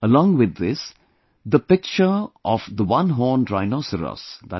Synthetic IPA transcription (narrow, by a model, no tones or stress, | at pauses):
əlɔ̃ːŋʋɪd̪ːɪs | d̪əpɪk̚t͡ʃəɾʔɔfd̪əʋʌ̃nɦɔːnʈɾaɪnɔsəɾə̰sd̪æ